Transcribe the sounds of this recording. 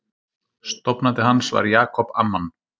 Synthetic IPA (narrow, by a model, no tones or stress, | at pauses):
st̪ɔpnat̪ɪɦansva̰ɾjaːkʰɔpa̰mːan